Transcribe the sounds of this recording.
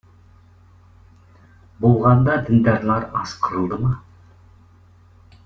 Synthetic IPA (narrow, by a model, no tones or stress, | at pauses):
bolˠʁɑnd̪ɑd̪ɪnd̪æɾlˠɑɾɑ̰sqʰəɾəlˠd̪əmɑ